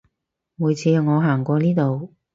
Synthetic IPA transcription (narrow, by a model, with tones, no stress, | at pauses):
muː˨˧jt͡sʰiː˧˨˧ŋɔː˨˧ɦaː˨˩ŋkʷɔː˧niː˥t̪o˨w